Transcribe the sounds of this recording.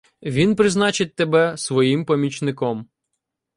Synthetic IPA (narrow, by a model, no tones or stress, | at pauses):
ʋʲinpɾɪznɑt͡ʃɪt̚ʲt̪ebɛsʋɔjimpɔmʲit͡ʃnɪkɔm